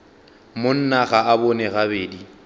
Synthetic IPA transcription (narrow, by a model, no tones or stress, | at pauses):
mon̩naɣaabɔnɛɣabeːdi